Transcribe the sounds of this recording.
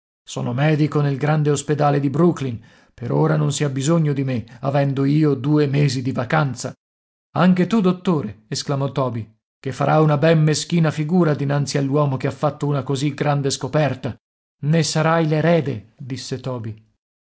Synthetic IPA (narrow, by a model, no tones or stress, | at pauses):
sɔ̰ːnomɛːd̪ikonelɡɾand̪eosped̪aːled̪ibɾuklin | peɾoːɾanonsiabizoɲːod̪imeavɛnd̪oiːod̪uːemeːzid̪ivakant̪sa | aŋk̟et̪ud̪ot̪ːoːɾeesklamɔt̪ɔːbi | kefːaɾʔaunabɛmmesk̟iːnafiɡuːɾad̪inant̪sialːwɔːmokeafːat̪ːounakoziɡɾand̪eskopɛrt̪a | nesaɾajleɾɛːd̪ed̪isːet̪ɔːbi